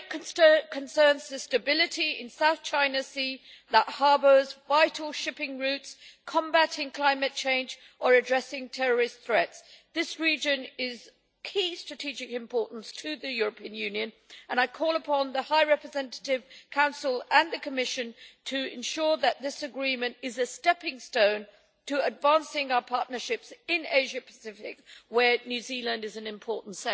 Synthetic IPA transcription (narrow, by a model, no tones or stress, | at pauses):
kʰɨ̃nsɜ̃˞nzðɨstɨbɪlˠɨɾiɪ̰̃nsaʊθt͡ʃʰãɪ̃nɨsi | ðəʔ̚hɑɹbə˞zvaɪɾl̩ˠʃɪpɪ̃ŋɹʉtskʰɑ̃mbæɾɪ̃ŋkʰl̥ãɪ̃mɨt̚t͡ʃʰẽɪ̃nd͡ʒ | ʔə˞ɨdɹɛsɪ̃ŋtʰɛɹə˞ɨst̪θɹɛtsðɪsɹid͡ʒɨ̃nɪz̥ | kʰistɹ̥ɨtʰid͡ʒɪkɨ̃mpʰɔɹʔn̩stʰɨðɨjʊɹəpʰiɨ̃njʉ̃njɨ̃n | ə̃ñaɪkʰɔlˠəpʰɑ̃nðəhaɪɹɛpɹɨzɛ̃ntəɾɪv̥kʰãʊ̃nsl̩ˠə̃nðɨkʰəmɪʃɨ̃ntʰɨɪ̰̃nʃʊɹðɨt̪̚ðɪsɨɡɹĩmɨ̃ntɨzɨstɛpɪ̃ŋstõʊ̃n | tʰɨədvæ̃nsɪ̃ŋaʊə˞pʰɑɹʔⁿnə˞ʃɪpsɪ̃neɪʒɨpʰə̥sɪfɪ̰kwə˞njʉzilˠɨ̃ndɨzɨ̃nɨ̃mpʰɔɹʔn̩tsɛ̃